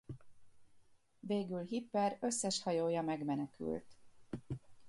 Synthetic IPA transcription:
veːɡylɦipːɛrø̞sːɛʃhɒjoːjɒmɛɡmɛnɛky̰lt̪

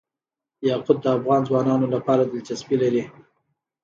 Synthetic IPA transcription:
jɑqʊd̪̚d̪əafɣɑnzwɑnɑnolapɑɾad̪əlt͡ʃaspilaɾi

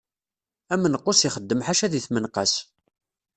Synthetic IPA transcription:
æmːənəqːʊsiχəd̪ːəmħaʃæðiθmənqɑs

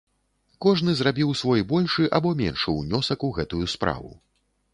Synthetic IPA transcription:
kɔʐn̪ɨzrabʲiwsvɔjbɔlʲʂɨʔabɔmʲɛ̰nʂɨwnʲɔsɐkuɣɛt̪ujuspɾa̰vṵ

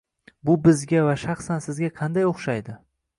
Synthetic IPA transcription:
bʊbɪzɡʲavaʃɑχsansɪzɡʲaqʰɑnd̪ajoχʃajd̪ɪ

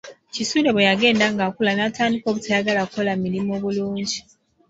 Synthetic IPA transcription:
cisule̞βojaɡe̞ːndaŋɡakulanataːndiko̞βutʰajaɡalakolamilimo̞ːβuluːɲɟi

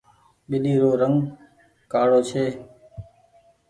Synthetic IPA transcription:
ɓɪɗiːɾoːɾəŋ | kaːɽoːt͡ʃʰeː

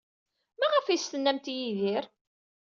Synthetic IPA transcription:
mæʁəfist̪ənːæmt̪jiðɪɾ

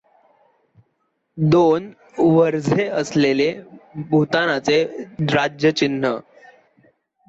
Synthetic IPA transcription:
d̪on | ʋəɾd͡zʱeəslelebʱut̪anat͡seɾad͡ʑjət͡ɕinːə

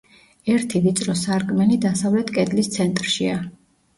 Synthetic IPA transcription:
ɛɾt̪ʰivit̪sʼɾɔsaɾkʼmɛnid̪asavlɛt̪ʰkʼɛd̪list̪sʰɛnt̪ʼɾʃia

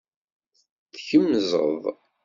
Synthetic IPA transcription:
θçəmːzˤə̰ðˤ

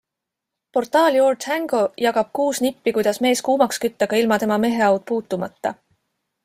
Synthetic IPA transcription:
po̞rt̪ˑɑːljo̞ːrt̪hæŋɡ̥o̞jɑɡ̥ɑb̥̚kuːsnipːikujd̪̥ɑsme̞ːskuːmɑkskyt̪ːɑɡ̥ɑilmɑt̪e̞mɑme̞ɦe̞ɑwd̪̥̚puːt̪ːˑumɑt̪ːɑ

